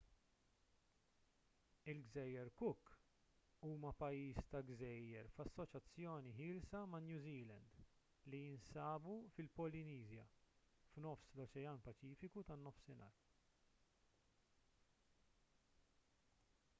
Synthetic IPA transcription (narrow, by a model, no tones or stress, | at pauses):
ɪlɡzɛjːɛɾkʊkː | uːmɐpɐjiːst̪ɐɡzɛjːɛɾfɐsːɔt͡ʃɐt͡sːjɔːniħɪːlsɐmɐnjuːziːlɛ̰nd̪ | lijɪnsɐːbufɪlpɔlɪniːzjɐ̰ | fnɔfslɔt͡ʃɛjɐːnpɐt͡ʃiːfɪkut̪ɐnːɔfsɪnɐ̰ːɾ